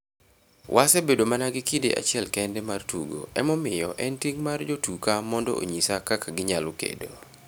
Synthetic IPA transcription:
wʔasɛbedomanaɡɪkideʔa̰t͡ʃɪɛlkɛndɛmartṵɡo̰ɛmɔmɪjɔʔɛntiŋmard͡ʒotukamɔndɔ̰o̰ɲisakakaɡɪɲalʊkḛdo

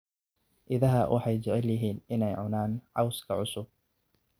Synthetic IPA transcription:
ʔɪðɐɦɐwʔɑ̰ħɑjd͡ʒɛʕɛljɪɦiːnɪnɛjʕʊnaːnʕɑwskʰɐʕʊsʊb̚

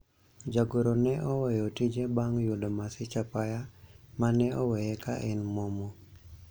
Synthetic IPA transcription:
d͡ʒaɡoɾonɛʔɔwɛjɔtid͡ʒebaŋjodomasɪt͡ʃapajamanɛɔwɛjɛka̰ʔɛnmɔmɔ

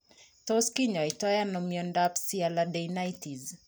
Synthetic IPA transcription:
tɔskiɲaitajanɔmiɔndapsialadɛjnajtiz

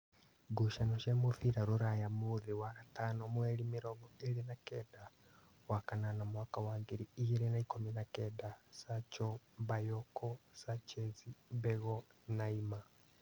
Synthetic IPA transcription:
ɡuʃanoʃɛmofiɾaɾuɾajamuðiwaɾatanomweɾimiɾɔɡɡɔeɾinakɛda | wakananamwakawaːŋɡiɾiːjiɾenaikominakɛdasat͡ʃɔbajɔkɔsat͡ʃɛziβɛɣɔnaima

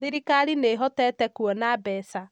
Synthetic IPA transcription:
ðiɾikaɾineɦɔtɛtɛkwɔnaːbɛːsa

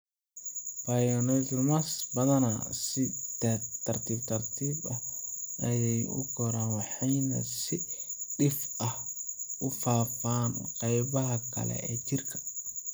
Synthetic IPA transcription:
bajɔnɛtlmasbɐðɐnasɪt̪ɛt̪ʰɐrt̪ʰiːbt̪ʰɐrt̪ʰiːbɐhʔɐjɛjʊ̰kʰɔɾaːnwɑħɑjnɐ̰sɪɗɪfɐhʔʊfaːfaːnqɑjβɐɦɐkʰɐ̰lɛ̰ɛːt͡ʃɪrkʰɐ̥

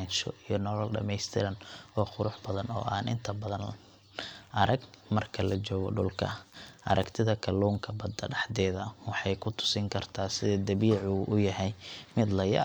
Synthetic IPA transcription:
nʃɔ̰ʔijɞnɔlɔlɖɐ̰mɛjst̪ʰɪɾɐnɔːχʊɾʊħbɐðɐnɔ̰ːʔaːnʔɪ̰nt̪ʰɐbɐðɐn | ʔɐɾɐɡmɐrkʰɐlɐt͡ʃɔːɣɔ̰ɖʊ̰lkʰɐ̰ʔɐ̰ɾʔɐkt̪ʰɪðɐkʰɐluːŋkʰɐbɐd̪ɐɖɑħd̪ɛːðɐwɑħɑjkʰʊt̪ʰʊ̥sɪŋkʰɐrt̪ʰaːsɪðɛːd̪ɐβiːʕuʔʊjɐɦɛjmɪd̪lɐjɐ̰

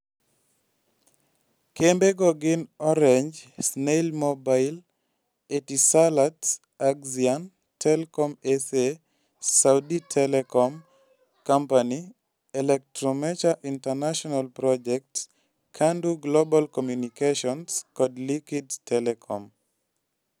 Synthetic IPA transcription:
kembeɡɔɡɪnɔɾɛɲd͡ʒsnelmobaɪl | etisalat | aɡzian | tʰɛlkɔmɛse | sawditʰɛlɛkɔm | kampani | ɛlɛk̚tɾɔmɛt͡ʃaʔintanaʃɔnalpɾɔd͡ʒɛk̚t | kʰanduɡlobalkɔmjunikeʃɔnskɔdlikidtɛlɛkʰɔm

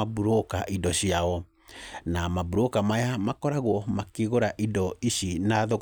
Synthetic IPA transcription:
abuɾokaʔidɔɕiaɔ | namabuɾokamajamakɔɾaɣwɔmakeɣoɾaʔidɔiɕinaðo

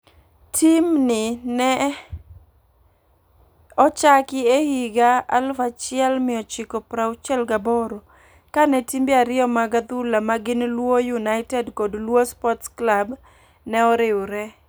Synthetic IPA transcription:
tʰimnɪnɛ | ɔt͡ʃakɪehiɡaa̰lfat͡ʃɪɛlmɪɔt͡ʃɪkɔpɾaʊt͡ʃɛlɡabɔɾo | kanɛtimbɪaɾɪɔmaɡat̪ulamaɡɪnlwojunaɪtɛdkodlwospɔtsklab | nɛɔɾɪoɾɛ

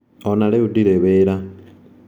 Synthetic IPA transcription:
onaleudiɾeβeɾa

